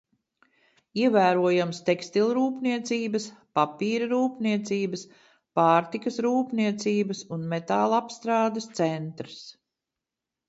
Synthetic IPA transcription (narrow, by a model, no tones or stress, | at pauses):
iɛvæːɾuɔjamst̪ɛkst̪ilʲˠɾuːpniɛt̪siːbɐspapiːɾɐɾuːpniɛt̪siːbəs | paːɾt̪ikɐsɾuːpniɛt̪siːbəsunmet̪aːlˠapst̪ɾaːd̪ɐst̪sɛnt̪ɾs